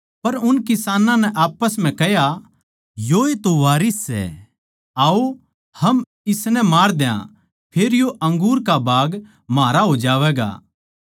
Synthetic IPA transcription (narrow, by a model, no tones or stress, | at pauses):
pɐɾʊnkɪsaːnãnɛʔaːpəsm̤ɛ̃kɛɦja | joːet̪oʋaːɾisːɛ̰ | aːo | hɐm | ɪsnɛmaːɾd̪jã̰ | pʰeːɾjoʔɐ̃ŋɡuːɾkabʱaːɡ | maːɾaɦod͡ʒaːʋɛːɡa̰ː